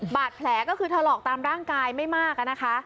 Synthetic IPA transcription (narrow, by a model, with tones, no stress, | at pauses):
baː˨˩t̪̚pʰlɛː˩˦kɔː˥˩kɯː˧t̪ʰa˧lɔː˨˩k̚t̪aː˧mɾaː˥˩ŋkaː˧jma˥˩jmaː˥˩k̚a˨˩na˦˥kʰa˦˥ʔ